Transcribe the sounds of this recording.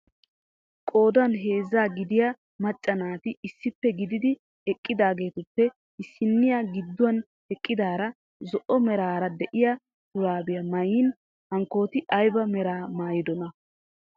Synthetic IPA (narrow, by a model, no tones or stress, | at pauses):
kʼo̞ːd̪ɐnɦe̞ːzːaːɡɪd̪ɪja | mɐt͡ʃʼːɐnaːt̪ɪɪsːɪpːɛɡɪd̪ɪd̪ɪ | ɛkʼːɪd̪aːɡe̞ːt̪ʊpːɛ | ɪsːɪnːɪjaːɡɪd̪ːʊwɐn | ɛkʼːɪd̪aːɾɐ | zɔʔɔmɛɾaːɾɐd̪ɛʔɪjɐ | t̪ʊɾaːbɪjɐmɐjiːn | hɐŋkːo̞ːt̪ɪɐjbɐmɛɾaːmaːjɪd̪ɔnɐ